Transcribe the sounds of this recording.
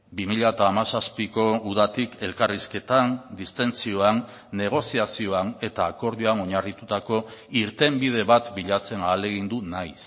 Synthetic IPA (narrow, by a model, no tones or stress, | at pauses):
bimiʎaet̪aːmasaspiko̞uð̞at̪ike̞lkariske̞t̪and̪ist̪e̞nt͡sio̞anː | e̞ɣ̞o̞siasio̞ane̞t̪aːko̞ɾðioano̞ɲarit̪ut̪ako̞iɾt̪e̞mbið̞e̞βat̪biʎat͡se̞naːle̞ɣ̞ind̪unajs